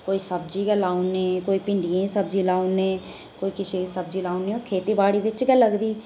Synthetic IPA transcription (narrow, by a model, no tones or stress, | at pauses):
koːiːsəbd͡ʒiːɡɛlaːuneːkoːiːpɪ̃ɳɖijãːsəb̚d͡ʒiːlaːuneː | koːiːkɪʃeːsəbd͡ʒiːlaːuneːõːkʰeːt̪iːbaːɽiːʋɪt͡ʃɡɛlːəɡd̪iː